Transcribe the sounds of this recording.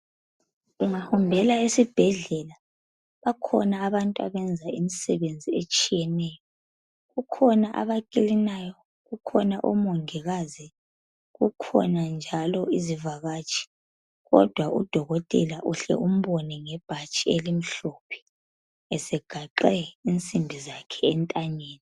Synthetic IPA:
uŋahumbʱɛlaesib̥ʱɛɮɛla | βakʰɔ̰naːβantʼua̰βɛnd͡zʱaimisɛβend͡zʱiet͡ʃʼijɛnɛjɔ | ɣukʰɔnaʔa̰βakʼilinajɔ | ɣukʰɔnaʔomoŋʱiɣazi | ɣukʰɔ̰nand͡ʒʱalɔʔizivaɣaːt͡ʃʼʰi̥ | ɣɔ̰d̥ʱwaʔṵd̥ʱɔɣɔtʼɛlaʔuɬɛ̰ʔum̩βɔnɛŋɛb̥ʱat͡ʃʼielim̩ɬopʰɛ̥ | ɛsɛɡ̥ʱaǃɛint͡sʼimbʱizakʰɛːntʼaɲeːni

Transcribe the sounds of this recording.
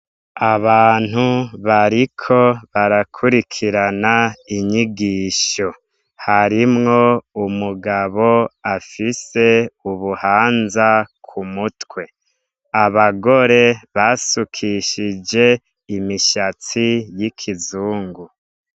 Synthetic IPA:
aβaːn̥huβaɾikʰo̞βaɾakʰuɾikʰiɾanaiɲiɡiːʃo̞ | haɾimŋo̞umuɡaβo̞afise̞uβuhaːnzakʰumutwe̞ | aβaɡo̞ɾe̞βasukʰiʃid͡ʒe̞ | imiʃat͡sijikʰizuːŋɡu

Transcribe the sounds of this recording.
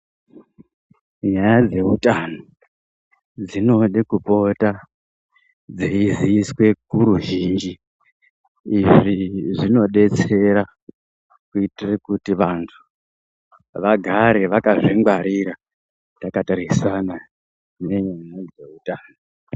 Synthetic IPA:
ɲajad͡ze̞utano | d͡zino̞ɗikupo̞ta | d͡zeiziːswe̞kuɾuʒind͡ʒi | iʐiʐino̞ɗe̞t͡se̞ɾa | kuitirekutiʋantʰu̥ | ʋaɡʱaɾeʋakaʐiŋɡwaɾiɾa | takataɾisana | ne̞ɲajad͡ze̞utaːno

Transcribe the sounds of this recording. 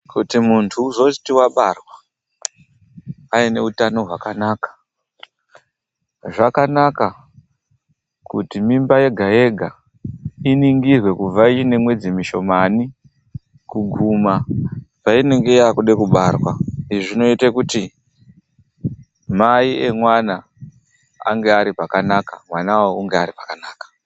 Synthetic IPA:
kutimuntʰuzoi̥tiwaɓarwa | aine̞utano̞ɦwakanaːkḁ | ʐakanaka | kutimimbaje̞ɡʱae̞ɡʱa | iniŋɡirwe̞kub͡vvait͡ʃine̞mwe̞d͡zimiʃo̞mani | kuɡʱumapaineŋɡe̞jakuɗekuɓarwaiʐiʐino̞itekuti | maiemwana̰ː | ŋɡe̞aɾipakanaka̰mwanawouŋɡeaɾipḁkanaːkḁ

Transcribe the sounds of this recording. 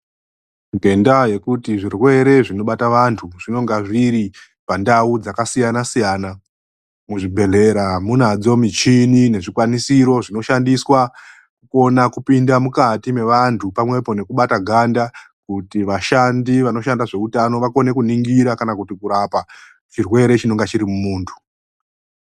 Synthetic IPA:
ŋɡe̞ndaje̞kutiʐirwe̞ɾe̞ʐino̞ɓataʋantʰuʐino̞ŋɡaʐiɾi | pandaud͡zakasijanasijaːna | muʐibʱe̞ɮe̞ɾamunad͡zo̞mit͡ʃinine̞ʐikwanisiɾo̞ʐino̞ʃandiswa | kuko̞nakupindamukatime̞ʋantʰupamwe̞po̞ne̞kuɓataɡʱanda | kutiʋaʃandiʋano̞ʃandaʐe̞utano̞ʋako̞ne̞kuniŋɡiɾakanakutikuɾapa | t͡ʃirwe̞ɾe̞t͡ʃino̞ŋɡat͡ʃiɾimumuːntʰu̥

